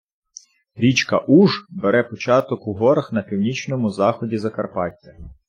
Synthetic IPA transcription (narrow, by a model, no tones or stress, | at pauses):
ɾʲit͡ʃkɐʔuʒbeɾɛpɔt͡ʃɑt̪ɔkuɦɔɾɐxn̪ɐpʲiwnʲit͡ʃnɔmʊzɑxɔdʲizɐkɐrpɑt̪ʲːɐ